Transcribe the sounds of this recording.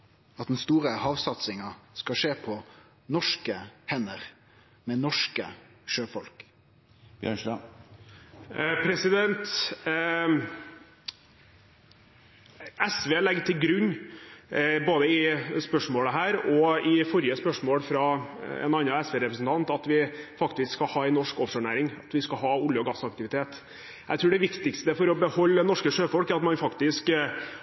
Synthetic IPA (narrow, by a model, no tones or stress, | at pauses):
ɑt̪d̪ɛnst̪uːɾəhɑːʋsɑt̪sɪŋɑskɑʂeːpʰɔ | nɔʂkəhɛnəɾ | mɛnɔʂkə̰ʃøːfɔ̰lk | pʰɾɛsɪd̪ɛnt̪ | ɛsʋeːlɛɡt̪ʰɪlɡɾʉɲː | boːd̪əɪspœʂmoːləɦæːɾɔɪfɔɾɪjəspœʂmoːlfɾɑɛ̰nɑnːɑɛsʋeːɾɛpɾəsn̩t̪ʰɑnt̪ɑt̪ʋɪfɑkt̪ɪskskɑhɑːɛɪnːɔʂkɔfʂəɳæ̰ːɾɪŋɑt̪ʋɪskɑɦɑːʊljəɔɡɑsɑk̚t̪ɪʋɪt̪ʰeːt̪ | jʔæɪt̪ʰɾʉːɖɛʋɪkt̪ɪkst̪əfɔɾɔbəhɔlːənɔʂkəʂøːfɔlkæɾɑt̪mɑnfɑkt̪ɪsk